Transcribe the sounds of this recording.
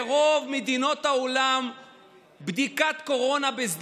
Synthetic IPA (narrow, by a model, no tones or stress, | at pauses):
ʁo̞vmed̪ino̞t̪haolam | bd̪ikat̪ko̞ʁo̞nabezd̪